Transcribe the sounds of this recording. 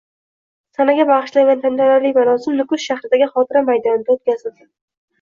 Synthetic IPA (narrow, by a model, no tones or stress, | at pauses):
sanaɡʲabaʁɨʃlajvant̪ʰant̪alaɾlɪkʲvaɾɒsɪmnʊkʊsʃaχɾɪd̪aɡʲɪχɒt̪ʰɪɾamajd̪ɒnɪd̪aot̪̚kʲazɪld̪ɪ